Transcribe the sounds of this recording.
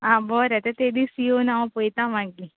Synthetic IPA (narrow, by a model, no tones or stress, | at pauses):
ãːbɔːɾɛt̪et̪ed̪isionaõpojt̪ãmãŋki